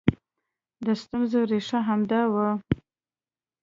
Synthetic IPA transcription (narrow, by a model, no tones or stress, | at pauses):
d̪əst̪ʊmzəɾeʂaɦamd̪awə